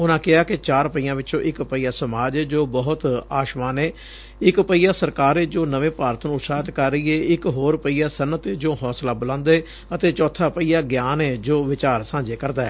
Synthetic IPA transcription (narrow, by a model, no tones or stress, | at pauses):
ʊnãːkɪaːkɪt͡ʃaːɾpəijãːʋɪt͡ʃõːʔɪkpəiːaːsəmaːd͡ʒɛːd͡ʒoːbəɦʊt̪aːʃmãːneː | ɪkpəiːjaːsəɾkaːɾeːd͡ʒoːnəʋẽːpaːɾət̪nũːsaːt̪kəɾːəiːeːɪkɦoːɾpəiːaːsənːət̪eːd͡ʒoːɦɔːslaːbələ̃nd̪eː | ət̪eːt͡ʃɔːt̪ʰːaːpəijaːɡjaːnɛːd͡ʒoːʋɪt͡ʃaːɾsãːd͡ʒeːkəɾd̪aːɛː